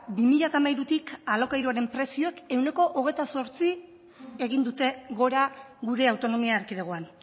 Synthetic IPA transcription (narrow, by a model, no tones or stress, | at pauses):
bimiʎat̪amajɾut̪ikalo̞kajɾuaɾe̞mpɾe̞sio̞eke̞wne̞ko̞ʔoɣ̞e̞jt̪aso̞ɾt͡si | e̞ɣ̞ind̪ut̪e̞ɣo̞ɾaɣuɾe̞awt̪o̞no̞miaːɾkiðeɣ̞o̞an